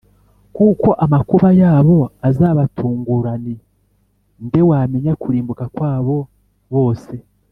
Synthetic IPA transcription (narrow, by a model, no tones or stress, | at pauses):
kuːko̞ʔamakuβajaːβo̞azaːβatʰuːŋɡuɾani | nde̞waːmeɲakuɾiːmbukakwaːβo̞ | βo̞ːse̞